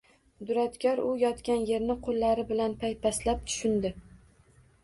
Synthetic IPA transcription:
d̪ʊɾat̪kʲʰɒɾʊjɒt̪kʲanje̞ɾnɪqʰolˠːaɾɪbɪlanpʰajpʰaslap̚t̪ʰʊ̥ʃʊnd̪ɪ

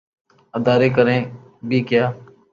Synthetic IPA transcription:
əd̪aːɾeːkəɾẽː | bʱiːkjaː

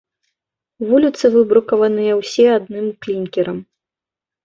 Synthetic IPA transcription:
vulʲit̪sɨvɨbɾukɐvɐnɨjɐwsʲɛad̪nɨmklʲinʲkʲɛɾɐm

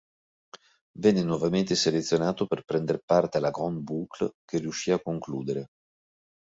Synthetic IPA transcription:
vɛnːenwɔvament̪eselet̪sːjonaːt̪operpɾɛnd̪eɾpart̪elaɡɔnd̪buklkerijuʃːiːakːoŋkluːd̪eɾe

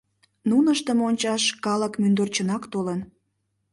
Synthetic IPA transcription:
nunəʃt̪əmonʲt͡ɕɑʃkɑləkmynd̪ərt͡ɕənɑkt̪olən

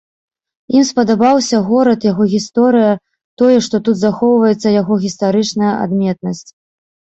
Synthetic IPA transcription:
imspɐd̪abawsʲɐɣɔɾɐt̪jaɣɔɣʲist̪ɔɾɨjɐ | t̪ɔjɛʂt̪ɔt̪ut̪zaxɔwvɐjɛt̪sːɐjaɣɔɣʲist̪aɾɨt͡ʂnɐjɐʔa̰d̪mʲɛt̪̚nɐsʲt͡sʲ

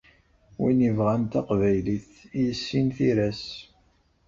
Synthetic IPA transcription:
winivʁænt̪æqvæjliθ | ijəsːinθiɾæs

